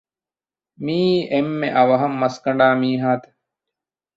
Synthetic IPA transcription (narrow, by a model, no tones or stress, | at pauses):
miːʔemːeʔɐʋɐɦɐmːɐskɐɳ̆ɖaːmiːɦaːt̪e̥